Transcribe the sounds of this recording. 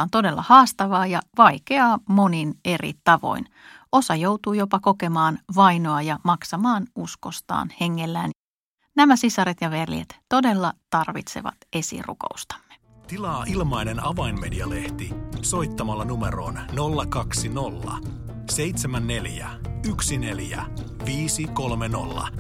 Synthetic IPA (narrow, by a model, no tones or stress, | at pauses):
ont̪o̞de̞lːɑ̰hɑːst̪ɑʋɑːjɑʋɑjke̞ɑːmo̞nine̞rḭt̪ɑʋo̞̰in | o̞sɑjo̞wt̪uːjo̞pɑkoke̞mɑːnʋɑjno̞ɑjɑmɑksɑmɑːnusko̞st̪ɑ̰ːnhe̞ŋːe̞lːæːn | næmæsisɑɾet̪jɑʋe̞rj̰ḛt̪to̞de̞lːɑt̪ɑrʋḭt̪sḛʋɑ̰t̪e̞sḭrṵko̞̰ust̪ɑ̥mːe̥ | t̪ilɑːʔilmɑjnenɑʋɑinme̞diɑle̞ht̪iso̞jt̪ːɑmɑlːɑnumḛɾo̞̰ːnnolːɑkɑksino̞lːɑ̰ | se̞jt̪semænːe̞ljæ̰ | yksine̞ljæ̰ | ʋiːsiko̞lmeno̰lːɑ̰